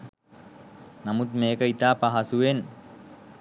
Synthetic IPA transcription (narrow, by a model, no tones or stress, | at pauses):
namut̪meːkəit̪aːpaɦasuʋen